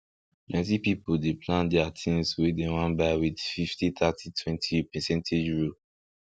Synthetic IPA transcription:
mɛt̬ipipoldepʰlãndɛatʰĩŋswedewãnbaɪwidfiftit̪ʰatʰitʰwɛ̃ntʰipɛsɛ̃ntʰed͡ʒɹo

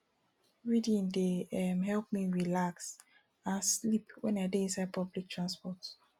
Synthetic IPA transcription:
ɹidĩndeɛmɦɛlp̚miɹilaks | ãnslipwɛ̃naɪdeĩnsaɪd̚pʰɔblik̚tʰɹãnspɔt

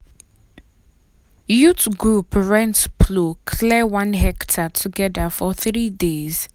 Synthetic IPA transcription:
jutɡɹupɹɛ̃ntpʰlokʰlɛwãnɦɛktʰatʰuɡɛdəfɔθɹidez̥

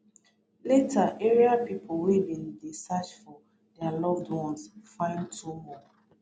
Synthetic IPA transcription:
letʰaʔeɹiapipʰʊwedĩndesat͡ʃfɔ | dɛalɔvdwɔ̃nsfãɪ̃ntʰumɔ

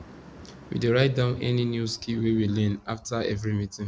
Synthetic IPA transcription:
wḭdeɹaɪt̚dãʊ̃nɛ̰ninjuskʰiwewilɛ̃naftaɛ̰vɹimitĩŋ

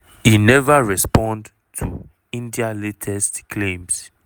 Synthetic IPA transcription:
inɛvaɹɛspɔ̃nd | tʰṵ | ĩndialetʰɛstkʰlẽms

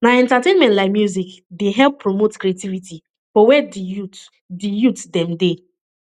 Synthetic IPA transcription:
naɛ̃ntatẽnmɛ̃ntlaɪkmjuzikdeɦɛlpʰːɾomotkɾietiviti | fɔwɛdijut | dijutdɛ̃mde

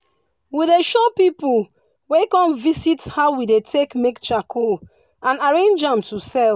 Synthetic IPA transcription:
wideʃɔpipu | wekɔ̃mvisithaʊwidetʰekmekt͡ʃakʰo | ãnaɹẽnd͡ʒãmtusɛl

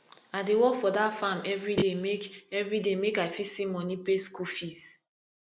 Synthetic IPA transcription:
adewɔkfɔdatfamɛvɹidemekɛvɹidemekaɪfisĩmɔnipeskufis

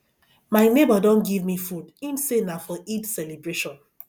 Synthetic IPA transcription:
maɪnebadɔ̃nɡivmifudĩnsenafɔʔidsɛlebɹeʃɔ̃n

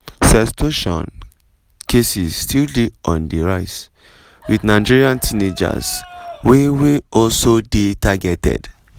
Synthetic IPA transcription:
sɛstʰoʃɔ̰̃n | kʰesisstʰildeɔ̃ndiɹaɪs | widnaɪd͡ʒiɹiãntʰined͡ʒa̰sweweɔlsodetaɡɛtɛ̰d̥

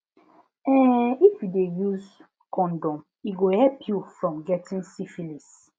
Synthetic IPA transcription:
ɛifjudejuz | kɔ̃ndɔ̃m | iɡohɛpʰjufɹɔ̃mɡɛtʰĩnsifilis

